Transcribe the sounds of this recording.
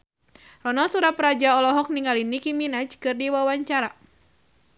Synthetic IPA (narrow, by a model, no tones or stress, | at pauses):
rɔnalsuɾapɾad͡ʒaɔlɔɦɔk̚niŋɡalinikiminad͡ʒkɨrdiwawaɲt͡ʃaɾa